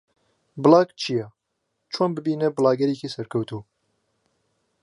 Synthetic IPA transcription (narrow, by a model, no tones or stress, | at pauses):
bɨlɑːkt͡ʃʰijɛ | t͡ʃʰoːnbɨbiːnebɨlɑːɡɐɾiːkisɐɾkʰɐwt̪ʰuː